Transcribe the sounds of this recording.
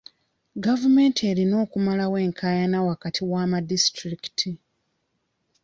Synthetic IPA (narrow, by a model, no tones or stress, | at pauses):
ɡavume̞ntʰie̞ːɾino̞ːkumalawe̞ːŋkʰaːjanawakatʰiwaːmadistɾiki̥tʰi